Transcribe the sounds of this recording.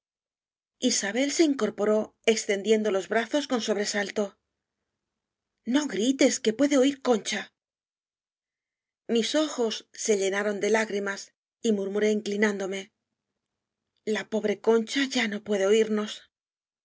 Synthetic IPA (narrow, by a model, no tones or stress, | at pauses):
isaβe̞lse̞iŋko̞ɾpo̞ɾo̞e̞kst̪e̞nd̪je̞nd̪o̞lo̞zβɾaθo̞sko̞nso̞βɾe̞salt̪o̞ | no̞ɣɾit̪e̞ske̞pwe̞ðe̞o̞iɾko̞nt͡ʃa | miso̞xo̞sːe̞ʎe̞naɾo̞nd̪e̞laɣɾimas | imuɾmuɾe̞iːŋklinãnd̪o̞me̞ | lapo̞β̞ɾe̞ko̞nt͡ʃaʝano̞pwe̞ðe̞o̞iɾno̞s